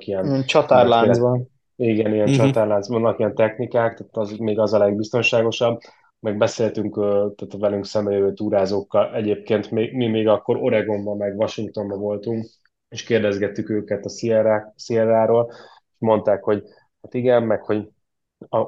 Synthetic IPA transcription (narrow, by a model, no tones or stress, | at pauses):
kiɛnt͡ʃɒt̪aɾlanbn | iɡɛniɡɛnt͡ʃɒt̪aːrlaːnzʋɒnːɒkijɛnt̪ɛxnikaːkt̪at̪zmeːɡɒzɒlɛɡ̚bist̪o̞nʃaːɡo̞ʃɒb | mɛɡ̚bɛseːlt̪yŋkøːt̪aːt̪vɛlyŋksɛmbɛjøvøːt̪uːɾaːzoːkːɒlʔɛɟeːp̚keːnt̪meːɡmimeːɡɒkːo̞ɾo̞ɾɛɡo̞mbɒmɛɡʋɒʃiŋk̚t̪o̞mbɒvo̞lt̪uŋk | eʃkeːrd̪ɛzɡɛt̪ːykøːkɛt̪ɒsiɛɾasiɛɾaːɾoːl | eʃmo̞n̪t̪aːkho̞ɟ | hat̪iɡɛmmɛkho̞ɟ | ɒ